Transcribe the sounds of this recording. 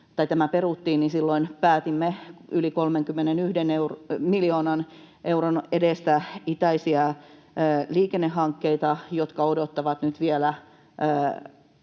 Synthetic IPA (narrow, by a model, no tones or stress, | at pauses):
t̪ɑit̪æmæperut̪ːiːnnisilːoinpæːt̪imːeylikolmeŋkymːenenyhdeneurmiljoːnɑn | ʔeuronedest̪æit̪æisiɑː | liːkenːehːɑŋkːeit̪ɑjot̪kɑodot̪ːɑʋɑt̪nyt̪ʋielæː